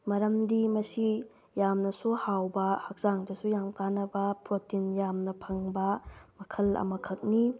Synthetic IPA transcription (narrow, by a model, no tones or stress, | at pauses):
mɐɾɐmdimɐsi | jamnɐsuhawbɐhɐk̚z̥aŋdɐsujamkanɐbɐpɾotinjamnɐpʰɐŋbɐmɐkʰɐlɐ̰mɐkʰɐk̚ni